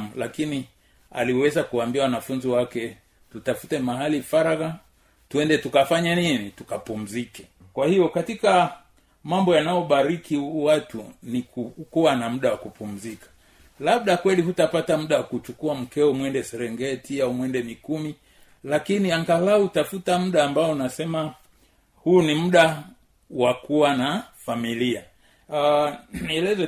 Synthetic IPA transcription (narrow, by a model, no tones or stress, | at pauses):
mulakini | a̰liwɛzakuwambiawanafunziwakɛ | tutafutɛmaɦalifaɾaɣa | tuɛndɛtukafaɲaninitukapum̩zikɛ | kwahijɔkatika | mambɔjanajɔɓaɾikiwatunikukuwanam̩ɗawakupum̩zikḁ | lab̚ɗakwɛlihutapatam̩ɗawakut͡ʃukuam̩kɛumwɛndɛsɛɾɛŋɡɛtiaumwɛndɛmikumi | lakiniaŋɡalautafutam̩ɗaːmbaɔunasɛma | hunim̩ɗa | wakuwanafamilia | niɛlɛzɛ